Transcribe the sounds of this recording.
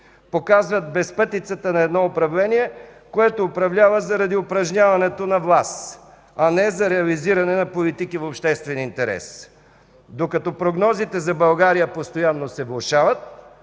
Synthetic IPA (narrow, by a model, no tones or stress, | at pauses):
pokazvɐt̪̚bɛspɤt̪it̪sət̪ənɐɛd̪nɔʊpɾɐvlɛniɛkoɛt̪oːpɾɐvlʲavəzɐɾɐd̪iʊpɾɐʒnʲavɐnɛt̪onɐvlˠas | ɐnɛzɐɾɛɐliziɾɐnɛnɐpolit̪ikivopʃt̪ɛst̪vɛnint̪ɛɾɛ̰s | d̪okɐt̪ɔpɾoɡnɔzit̪ɛzɐbɐlˠɡaɾijəpost̪ojanːosɛvlˠoʃavət̪̚